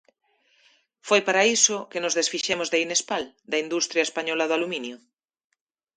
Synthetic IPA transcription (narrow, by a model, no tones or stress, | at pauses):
fojpaɾaisʊkenʊzðesfiʃemozðeinespal | d̪ɐind̪ust̪ɾjaespaɲɔlaðʊaluminjʊ